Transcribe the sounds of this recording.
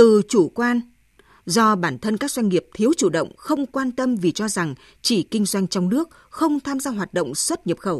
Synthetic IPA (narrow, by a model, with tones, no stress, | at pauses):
t̪ɨ˨˩t͡ɕu˧˩kwaː˧n | zɔ˧ɓaː˧˩nt̪ʰə˧nkaː˦˥k̚zwa˧jŋ̟ŋi˨˩əp̚t̪ʰi˨˦əwt͡ɕu˧˩ɗə̰˧˨wŋ͡mxə˧wŋ͡mkwaː˧nt̪ə˧mvi˨˩t͡ɕɔ˧za˨˩ŋ | t͡ɕi˧˩kï˧ŋ̟zwa˧jŋ̟t͡ɕɔ˧wŋ͡mnɨ˦˥ək̚ | xə˧wŋ͡mt̪ʰaː˧mzaː˧ɦwaː˨˩t̚ɗə̰˧˨wŋ͡mswə˦˥t̚ɲə˨˩p̚xə˧˩w